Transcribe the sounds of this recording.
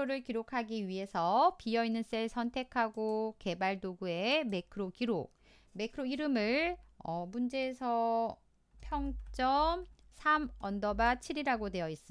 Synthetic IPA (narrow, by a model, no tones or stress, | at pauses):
oɾɯɭkiɾokʰaɡiɥiɦe̞sʰʌpijʌinːɯns͈eɭsʰʌntʰe̞kʰaɡoke̞baɭdoɡue̞me̞kʰɯɾoɡiɾo | me̞kʰɯɾoiɾɯmɯɭʌmund͡ʑe̞ːsʰʌ | pʰjʌŋt͡ɕ͈ʌm | sʰamʌndʌbat͡ɕʰiɾiɾaɡodwe̞ʌis͈ɯ